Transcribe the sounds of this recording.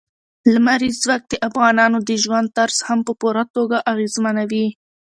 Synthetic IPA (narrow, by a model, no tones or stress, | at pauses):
lamaɾizwak̚d̪̥əʔafɣɑnɑnod̪əʒwand̪̚t̪aɾshampəpuɾat̪oɡaʔaɣezmanawi